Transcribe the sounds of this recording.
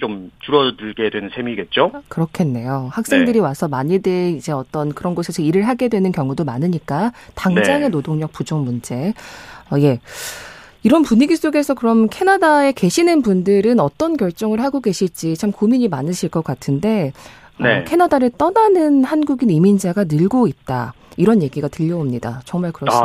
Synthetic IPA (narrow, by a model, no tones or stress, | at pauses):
t͡ɕomtuɾʌdɯɭɡe̞dwenɯnsʰe̞miɡe̞t̚t͡ɕ͈okɯɾʌkʰe̞nːe̞johak̚s͈e̞ŋdɯɾiwasʰʌmaɲideid͡ʑe̞ʌt͈ʌnkɯɾʌnɡʌsʰesʰeiɾɯɭɦaɡe̞dwe̞nɯnkjʌŋudomanɯɲik͈ataŋnd͡ʑaŋɦenodoŋɲʌk̚p͈ud͡ʑoŋmund͡ʑe̞ʌje̞ | iɾʌnpuɲiɡis͈oɡe̞sʰʌkɯɾʌmkʰe̞nadae̞ke̞ɕʰinɯnpundɯɾɯnʌt͈ʌnkjʌɭt͡ɕ͈ʌŋɯɭɦaɡoɡe̞ɕʰiɭt͡ɕ͈it͡ɕʰamkumiɲimanɯɕʰiɭk͈ʌk͈atʰɯnde̞ | nʌkʰe̞nadaɾɯɭt͈ʌnanɯnhanɡuɡinimind͡ʑaɡanɯɭɡoit̚t͈a̰ | iɾʌnje̞ɡiɡatɯʎːʌomɲida̰t͡ɕʌŋmaɭkɯɾʌ